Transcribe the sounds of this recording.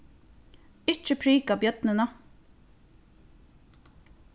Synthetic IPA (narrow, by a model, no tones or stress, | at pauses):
ɪt͡ʃːəpʰɾiːkɑːbjœt̪nənə